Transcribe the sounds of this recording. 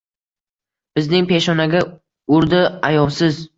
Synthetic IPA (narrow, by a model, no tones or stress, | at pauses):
b̥ɪznɪŋpe̞ʃɒnaɡʲa | ʊɾd̪ɪajɒlˠsɪz